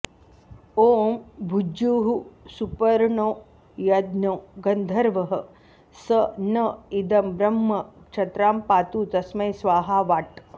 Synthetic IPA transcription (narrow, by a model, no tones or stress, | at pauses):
oːmbʱud͡ʒuːɦusupɐɾɳoː | jɐd̪noːɡɐnd̪ʱɐɾʋɐɦɐ | sɐnɐid̪ɐmbɾɐmːɐkt͡ʃʰɐt̪ɾaːmpaːt̪uːt̪ɐsmɐjsʋaːɦaːʋaːʈ